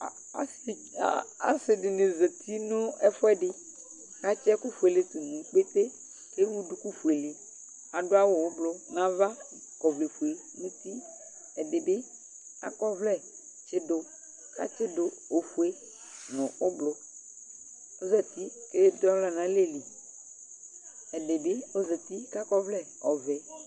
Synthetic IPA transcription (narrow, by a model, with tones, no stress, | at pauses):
s | a˨sɪ˨ɖɪ˨nẽ˨zɛ˨t̪ʰi˦nʊ̃˦ɛ˦fɔ˦ɛ˦ɖɪ˨ | ka˦t͡ʃɛ˦ku˦fu˨e˨le˨t̪u˨nũ˨k͡pe˦t̪e˦ | ke˦wu˦du˦ku˦fu˨e˨li˨ | a˨ɖʊ˦a˦wo˨wo˦blʊ˦nã˨˦va˦ | kɔ˨vle˨fu˨e˨ | nũ˦t̪i˦ | ɛ˨dɪ˨be˦ | a̰˦kɔ˦vlɛ˦ | t͡ʃe˦do˦ | ka̰˦t͡ʃe˦do˨o˨fu˨e˦ | nʊ̃˨o˦blo˦ | o˦zɛ˨t̪i˦ke˦e˦d̪a˦wla˦nã˨le˦li˨ | ɛ˨ɖe˨be˦o˦zɛ˨t̪i˦ka˦kɔ˦vlɛ˦ | ɔ˨vɛ˨